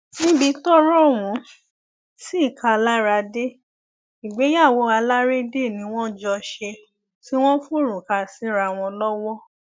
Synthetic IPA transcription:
nĩ˦bi˧tɔ˦ɾɔ˦˨wũ˨˦ | si˦i˦˨ka˧la˦ɾa˧de˦ | i˨ɡ͡be˨˦ja˦˨wo˨˧˦a˧la˦ɾe˦de˦˨nĩ˧˦w̃ɔ̃˦d͡ʒɔ˧ʃe˧ | ti˦w̃ɔ̃˦fu˦˨ɾũ˨ka˧˨si˨˦ɾa˨˧˨w̃ɔ̃˧lɔ˦wɔ˦

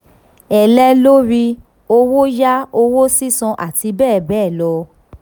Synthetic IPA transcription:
ɛ˨lɛ˧lo˦ɾi˧ | o˧wo˦ja˦o˧wo˦si˦sɔ̃˧ʔa̰˨ti˧˦bɛː˦˨bɛː˦˨lɔ˧

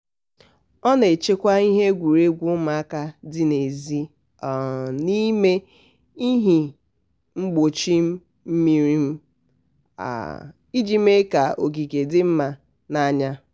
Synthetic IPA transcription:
ɔ˦ne˨t͡ʃe˦kʷa˦i˦ɦe˦ɡʷu˨ɾe˦ɡʷu˦ma˨a˦ka˦dɪ˦ne˨zi˦˨ | ni˦me˦ | i˦ɦi˨ | ŋ͡m̩˦ɡ͡bo˨t͡ʃi˦m̩˦ | m̩˦mi˦ɾi˦m̩˦ | a̰˨ | i˦d͡ʒi˦m˦e˦ka˨o˨ɡi˨ɡe˨dɪ˦m̩˦ma˨ | na˦˨ɲa˦

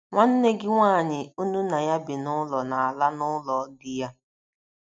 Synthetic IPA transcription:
ŋʷa˦n̩˦ne˦ɡɪ˦ŋʷaː˦˨ɲɪ˨u˦nu˦na˨ja˦bɪ˨nʊ˦lɔ˨na˨a˨la˦nʊ˦lɔ˨˦dɪ˦ja˦

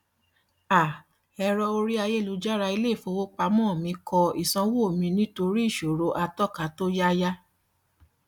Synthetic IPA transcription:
a˨ | ɛ˧ɾɔ˧o˧ɾi˦a˧je˦˨lu˨˦d͡ʒa˦ɾa˧i˧le˦˨fo˧wo˦k͡pa˧mɔ̃ː˦˨mĩ˧kʰɔ˧i˨sɔ̃˧wo˦˨mĩ˧nĩ˦to˧ɾi˦i˦˨ʃo˨ɾo˧ʔa˧tɔ˦˨ka˨˦to˦ja˦ja˦

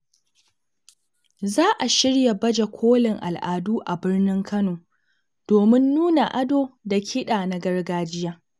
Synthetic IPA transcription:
zaː˦ʔa˨ʃɪ˦ɽja˨bɐ˦d͡ʒe˨kʷʰoː˦lɪ˨ŋʔa̰˨lʔaː˨duː˦ʔa˨bɪ˦rnɪ˦ŋkʰɐ˦noː˨ | d̥oː˨mɪ˦nːuː˦na˨ʔa˦doː˦da˨kʲʰɪ˦ɗaː˨na˦ɡɐ˦rɡaː˦d͡ʒɪ˦jaː˦

